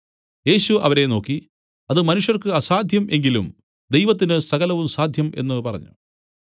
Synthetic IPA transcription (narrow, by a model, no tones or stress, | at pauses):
je̞ːɕuɐ̰ʋɐɾe̞no̞ːkːi | ɐðɨmɐnuʂjɐrkɨɐsaːd̪ʱjɐmʔe̞ŋɡilṵm | d̪ejʋɐt̪̬ːinɨsɐɣɐlɐʋumsaːd̪ʱjɐme̞̰nːɨpɐrɐ̰ɲːṵ